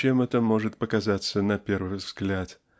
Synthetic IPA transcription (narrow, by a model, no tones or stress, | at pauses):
emɛt̪əmo̞ʐɨt̪̚pəkɐzat̪sənɐpʲe̞rvɨjvzɡlʲat̪